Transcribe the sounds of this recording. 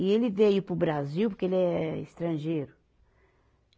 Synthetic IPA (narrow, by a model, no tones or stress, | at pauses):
ielɪvejʊpɾʊbɾaziwpʊɾkeelɛḭst̪ɾɐ̃ʒejɾʊ